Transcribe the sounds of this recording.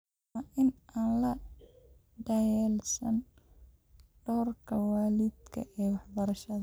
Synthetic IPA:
aʔɪnʔɐlɐ | ɖɐjɛlsɐn | ɖɔːrkʰɐwaːlɪd̪kʰɐ̰ʔɛːwɑħbɐɾɐʃɐð

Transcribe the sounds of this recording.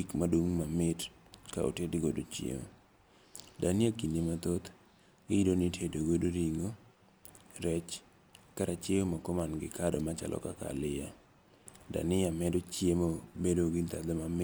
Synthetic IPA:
ikmadoŋmamɪt | ka̰o̰tedɡodot͡ʃjḛmo̰ | danɪakinemat̪ot̪ | iidonitʰedoɡodoɾiŋo | ɾɛt͡ʃ | kaɾat͡ʃeomakomanɡɪkadɔmat͡ʃa̰lɔ̰kaka̰lɪja | da̰nɪjamɛdot͡ʃjemobedoɡɪt̪ad̪ɛmamɪ

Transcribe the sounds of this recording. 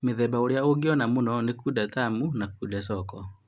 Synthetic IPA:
meðɛbaoɾjaoɡeɔnamonɔnekudɛtamunakudɛsɔkɔ

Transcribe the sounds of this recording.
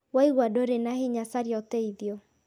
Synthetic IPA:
waiɣwadoɾenaheɲasaɾjɔtɛiðjɔ

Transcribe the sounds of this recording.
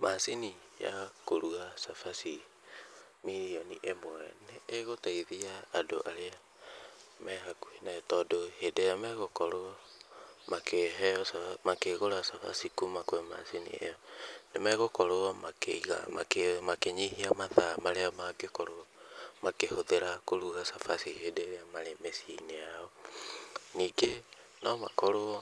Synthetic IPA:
masini | ja̰koɾuasafasi | miɾiɔniʔemwɛ̰neːɣotaiðiaːdo̰ʔaɾea | mɛɣakuinaɛtɔdohedejamɛɣokɔɾoɔ | makeɦɛɔsamakeɣoɾasafa̰sikumakoɛma̰sinḭɛ̰jɔnemɛɣokɔɾoɔmakeɣa̰makemakeɲihiamaðamaɾeamakekɔɾomakehoðeɾakoɾuɣasafasihedeɾeamaɾemɛsineaɔ | niːɡe | nɔmakoɾoɔ

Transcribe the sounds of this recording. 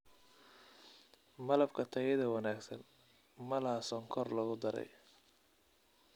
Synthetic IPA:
mɐlɐbkʰɐt̪ʰɐjɪðɐwɑnaːɡsɐn | mɐlasɔːŋkʰɔrlɐɣʊd̪ɐɾɛ̰j

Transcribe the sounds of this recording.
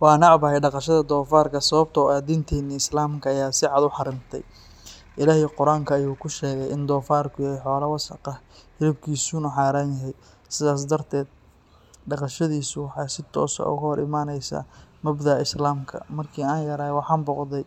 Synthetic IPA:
wɑːnɑʕbɐhɛjɖɑqɑʃɐðɐd̪ɔːfaːrkʰɐsɐβɐb̚t̪ʰɔaːd̪ɪnt̪ʰɛːnːɪɪslaːmkʰɐːjaːsɪʕɑd̪ʊħɑɾɪnt̪ʰɛ̰j | ɪlaːhɪqʊɾaːŋkʰɐːjuːkʰʊʃɛːɣɛjʔɪnd̪ɔːfaːrkʰʊjɐhɛjħɔːlɐwɐsɐ̰qɑ | hɪɾɪb̚kʰiːsʊnʊħɑːɾaːnjɐɦɛj | sɪðaːs̬d̪ɐrt̪ʰɛːd̪̚ | ɖɑqɑʃɐðiːsʊwɑħɑːsɪt̪ʰɔ̰ːsɐ̰ʊ̰ɣɐhɔɾʔɪ̰maːnɛjsa̰ːmɐbðaːɪslaːmkʰɐ̰mɐrkʰiːaːnjɐɾaːhɛwɑħɑːnbɔqðɛj

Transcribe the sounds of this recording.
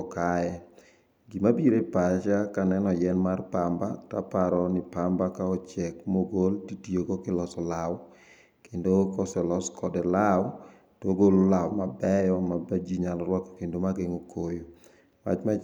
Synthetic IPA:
kaɛ | ɡimabiɾepat͡ʃakanɛnɔjɛnmarpambata̰paɾɔnɪpambakaɔt͡ʃɛkmoɡoltitijoɡokɪlɔsɔlaw | kendokɔsɛlɔskʰɔdɛlaw | toɡololawmabɛjɔmabad͡ʒiɲalɔɾwɔkḁkendomaɡeŋokʰojo | ma̰t͡ʃma

